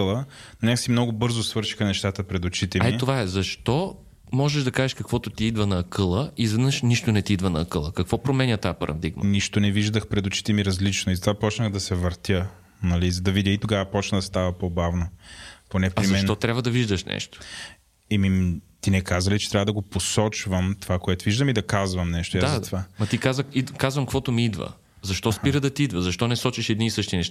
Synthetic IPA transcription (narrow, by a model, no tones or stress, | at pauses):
əlˠənonʲaksimnɔɡʊbɤɾzosvɤɾʃi̥xənɛʃt̪at̪əpɾɛd̪ot͡ʃit̪ɛaɛit̪ovaɛzɐʃt̪ɔ | mɔʒɛʃd̪ɐkaʒɛʃkɐkv̥ɔt̪ʊt̪iid̪vɐnɐːkɤlˠəizɛd̪nəʃniʃt̪ʊnɛt̪iid̪vɐnɐːkɤlˠəkɐkvɔpɾomɛnʲət̪ajapɐɾʔɐ̰d̪iɡm̰niʃt̪onɛviʒd̪əxpɾɛd̪ʊt͡ʃi̥t̪ɛmiɾɐzlit͡ʃnoizɐt̪ovapɔt͡ʃnəxd̪ɐsɛvɐɾt̪jə | nɐlizɐd̪ɐvid̪ʲjəit̪oɡavɐpɔt͡ʃnɐd̪ɐst̪avɐpobavnoponɛpɾizmmɛʃnt̪ɔt̪ɾʲabvəd̪ɐviʒd̪əʃnɛ̰ʃt̪o̥ | imit̪inɛkazɐlit͡ʃɛ̥t̪ɾavəd̪ɐɡoposɔt͡ʃvəmt̪ovakoɛt̪oviʒd̪ɐmid̪ɐkazvɐmnɛʃt̪ojazzɐt̪ovamɐt̪ikazəikazvɐmkvɔt̪ʊmiid̪və̰ | zɐʃt̪ɔspiɾəd̪ɐt̪iid̪vəzɐʃt̪ɔnɛsɔt͡ʃiʃɛd̪niːsɤʃt̪inɛʃt̪a